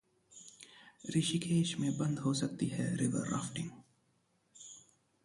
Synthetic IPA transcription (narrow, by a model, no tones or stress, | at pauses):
ɾɪʃikʰeːʃmẽbɐ̃nd̪ɦosɐk̚t̪iɦɛɾɪʋə̰ɾːa̰ːfʈɪ̃ŋɡ